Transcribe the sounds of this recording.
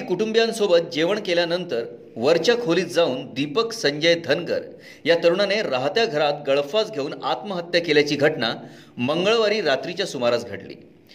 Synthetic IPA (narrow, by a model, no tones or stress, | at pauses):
ikuʈumbjãnsobət̪̚d͡ʑeʋəɳkeljanənt̪əɾ | ʋəɾt͡ɕakʰoliːt̪̚d͡zauːnd̪ipəksəɲd͡ʑəjd̪ʱənɡə̰ɾ | jat̪əɾuɳaneɾaɦt̪jaɡʱəɾat̪ɡəɭfat͡sɡʱeuːnat̪məɦət̪ːjəkeljat͡ɕiːɡʱəʈna̰ | məŋɡəɭʋaɾiːɾat̪ɾit͡ɕjasumaɾat͡sɡʱə̰ʈlḭː